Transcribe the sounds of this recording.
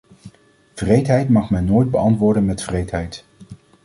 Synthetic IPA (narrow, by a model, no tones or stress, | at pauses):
v̥rejtɦɛjtmɑχmɛnːoːjd̚bəɑntʋʊːɹdənmɛtfrejtɦɛjt